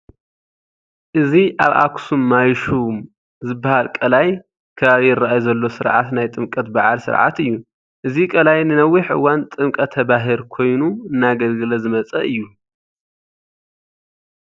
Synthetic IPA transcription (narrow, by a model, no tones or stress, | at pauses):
ʔɨziʔaβʔa̰kʰsumːajʃum | zɨbːahalkʼɐlaj | kʰɐβaβijɪrːaʔajuzɐlːo̞sɨɾʕat̪najt̪ʼɨmkʼɐt̪baʕa̰lsɨ̰ɾʕa̰t̪ɨjːu | ʔɨzikʼɐlajnɨnɐwːiħɨ̰wːant̪ʼɨmkʼɐt̪ʰɐβaɦɨlkʰo̞jnuɨnːaɡɐlɡɨlɐzɨmɐt͡sʼɐ̰ʔɨjːu